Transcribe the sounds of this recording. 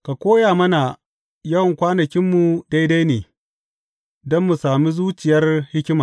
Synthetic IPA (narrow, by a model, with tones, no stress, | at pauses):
ka˨kʷoː˦jaː˨mɐ˦na˨ | jɐ˦wɐ˨ŋkʷaː˦nɐ˨kʲɪ˦mːu˨da˦jda˦jneː˨ | dɔ˦mːu˨saː˨mi˦zuː˦t͡ʃɪ˨jɐ˦rhɪ˦kʲɪ˦maː˨